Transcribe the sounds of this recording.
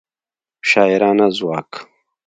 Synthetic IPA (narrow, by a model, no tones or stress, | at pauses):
ɕaːiɾaːnazuwaːk